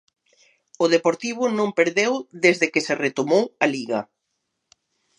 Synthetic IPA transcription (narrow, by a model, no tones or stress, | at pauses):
ʊðepoɾt̪iβ̞ʊnõmpeɾðewðezðekeseret̪omowaliɣɐ̰